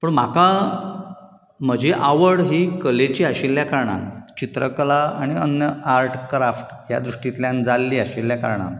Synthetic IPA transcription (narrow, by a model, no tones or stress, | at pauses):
pəɳm̤aka | m̤əd͡ʑeʔaʋəɽɦiːkəlet͡ɕiːəɕelːjakaɾɳa̰nt͡ɕit̪ɾəkəlaaɽ̃iənjəaɾʈkɾafʈja̰d̪ɾuʂʈit̪ljãnd͡zalːiːaɕelːjaka̰ɾɳa̰n